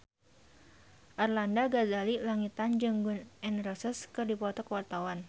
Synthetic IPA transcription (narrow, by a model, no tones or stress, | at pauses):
ʔarlandaɡazalilaŋit̪and͡ʒɨŋɡunʔɛnrɔsəskɨrdipɔt̪ɔkəwart̪awan